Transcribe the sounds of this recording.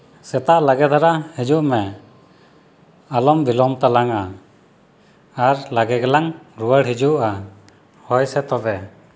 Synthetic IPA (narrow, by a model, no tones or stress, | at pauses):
sɛt̪aʔlaɡɛd̪ʱaɾahid͡ʒuʔmɛ | alɔmbilɔmt̪alaŋa | aɾlaɡɛɡɛlaŋɾuwəɽɦid͡ʒuʔa | hɔjsɛt̪ɔbɛ